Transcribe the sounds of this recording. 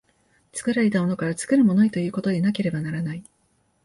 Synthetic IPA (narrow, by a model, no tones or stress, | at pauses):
t͡sɨ̥kɯ̟ɾaɾʲe̞t̪ao̞no̞kaɾat͡sɨ̥kɯ̟ɾɯ̟mo̞noit̪o̞jɯ̟ːko̞t̪o̞ɲ̟inake̞ɾe̞banaɾanai